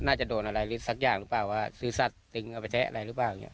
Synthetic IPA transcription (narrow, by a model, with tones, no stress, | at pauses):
naː˥˩t͡ɕa˨˩doː˧nʔa˧ɾa˧jɾɯ˦sa˧˦˩k̚jaː˨˩ŋɾɯː˦˥plaː˨˩waː˥˩sɯː˨˦sa˨˩t̪ːi˧ŋʔa˧˩pa˧jt̪ʰɛ˦˥ʔa̰˧ɾa˧jɾɯː˦˥plaː˨˩wŋḭ˦˥˦ʔ